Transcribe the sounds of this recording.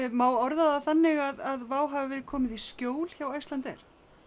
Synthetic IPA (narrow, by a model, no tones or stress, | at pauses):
maːwɔɾðaðaθanːɪɣaðaðvaːwɦavɪvɪːðkʰɔːmɪðiskcoːwl̥çaːwajst̪lant̪ɛ̰ɾ̥